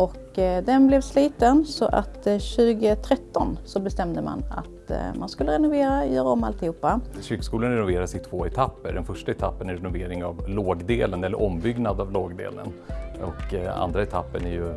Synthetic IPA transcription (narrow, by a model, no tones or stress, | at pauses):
ʔɔkː | d̪ɛnblɛvsliːt̪ənsɔ̰ʔa̰t̪ːɕʉ̟ːɡət̪ʰɾɛt̪ːɔnsɔbɛst̪ɛmd̪əma̰na̰t̪manskɵlːəɾɛnʊveːɾajœːɾaɔmːa̰lt̪ɪhuːpːaɕyːkskuːlənɾɛnʊveːɾaʂɛɪt̪ʰvoːɛt̪ʰapːəɖɛnfœʂʈaɛt̪ʰapːənæɾɛnʊveːɾɪŋavloːɡd̪eːlənɛlːə̰ʔɔmbʏɡnad̪avloːɡd̪ḛːlə̰nɔka̰nd̪ɾaɛt̪ʰapːəɳæɾjɵ